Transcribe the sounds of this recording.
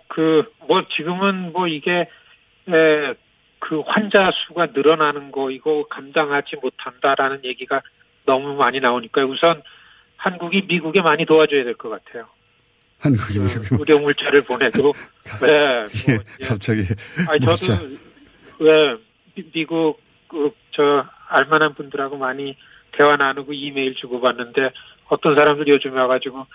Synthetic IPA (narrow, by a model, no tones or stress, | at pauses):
kɯmwʌt͡ɕiɡɯmɯnmwʌiɡe̞ | e | kɯɸwand͡ʑasʰuɡanɯɾʌnanɯnɡʌiɡʌkamdaŋɦad͡ʑimotʰandaɾanɯnje̞ɡiɡa | nʌmumaɲinaoɲik͈ajousʰʌn | hanɡuɡimiɡuɡe̞maɲitoad͡ʑojadwe̞ɭk͈ʌk͈atʰe̞jo | hanɡuɡiuɾjʌŋuɭt͡ɕ͈aɾɯɭpone̞kɾiɡo | weejeat͡ɕʰʌeait͡ɕʌdo | we̞ | miɡuɡ̚ | t͡ɕʌaɭmananbundɯɾɦaɡomaɲi | te̞wananɯɡoime̞iɭt͡ɕuɡobanːɯnde̞ | ʌt͈ʌnsʰaɾamdɯɾjod͡ʑumʌɡad͡ʑiɡo